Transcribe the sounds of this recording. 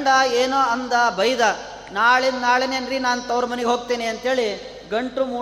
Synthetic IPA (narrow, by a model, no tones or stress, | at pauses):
ɳɖɐeːnoːɐnd̪ɐbʱɐjd̪ɐ | naːɭennaːɭenenɾinaːnut̪ɐwɾɐmɐneɡɦoːɡ̚t̪eːniɐnt̪ɦeːɭi | ɡɐɳʈɾumuː